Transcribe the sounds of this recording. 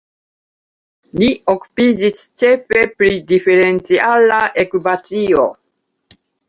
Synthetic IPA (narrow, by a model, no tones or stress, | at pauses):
lioku̥pid͡ʒist͡ʃefe̞pɾidifeɾent͡sialaʔekwipat͡sio